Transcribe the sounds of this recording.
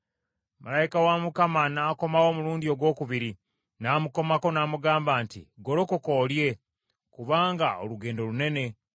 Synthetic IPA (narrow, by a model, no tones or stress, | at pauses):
malajikawamukamanaːko̞mawo̞ːmuluːndio̞ɡwo̞ːkuβiɾi | namuko̞mako̞naːmuɡaːmbaːntḭɡo̞ɾo̞koko̞ːlje̞ | kuβaːŋɡao̰luɡe̞ːndo̞lune̞ne̞